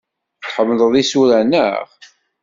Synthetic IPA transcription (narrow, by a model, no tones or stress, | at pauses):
θħəmːləðˤisuɾænə̰ʁ